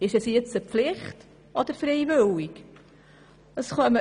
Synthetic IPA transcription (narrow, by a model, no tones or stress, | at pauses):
ɪʃɛsjet͡səpflɪχt | ʔɔd̪əɾfɾɛjvʏwik | əsχœmə